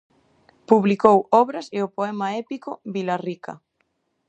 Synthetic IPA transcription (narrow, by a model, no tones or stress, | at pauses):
puβlikowɔβɾɐseopoɛmaɛpikoβilarikɐ̰